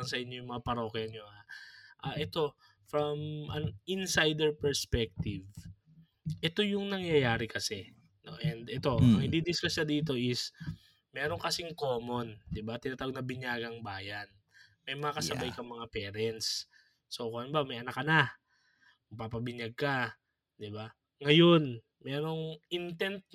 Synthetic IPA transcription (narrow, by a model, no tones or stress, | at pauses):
ɐnsɐʔɪɲːo̞jʊŋmɐŋapɐɾo̞kɛɐɲːo̞haʔaʔɛt̪o̞ | fɾɐmʔɐnɪnsajd̪ɛɹpɛɹspɛk̚t̪ɪv | ʔɛt̪o̞jʊŋnɐŋjɐjaːɾɪkɐsɛ | no̞̰ʔɛnd̪ʔɛt̪o̞ɐŋhɪnd̪id̪ɪskɐʃad̪iːt̪o̞ʔɪs | mɛːɾo̞ŋkɐsɪŋkoːmo̞nd̪ɪbat̪ɪnaːt̪aːwoɡ̚nɐbɪɲjaːɡɐŋbaːjɐn | mɐjmɐŋakɐsɐbajkɐŋmɐŋapɛːɾɛnt̪sː | okoɐnbɐmɐjʔɐnɐkːɐna | kɐɡ̚papɐbɪɲjaɡ̚ka | d̪ɪba | ŋɐjo̞n | mɛːɾo̞ŋʔɪnt̪ɛnt̪̚